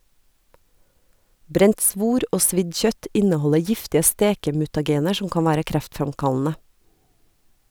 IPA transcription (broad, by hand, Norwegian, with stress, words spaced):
ˈbɾɛnt ˈsʋuːɾ ˈoː ˈsʋɪd ˈçœt ˈɪnəˌhɔlə ˈjɪftɪə ˈsteːkəmʉtɑˌɡeːnəɾ ˈʃʊm ˈkɑːn ˈʋæːɾə ˈkɾæftfɾɑmˌkɑlnə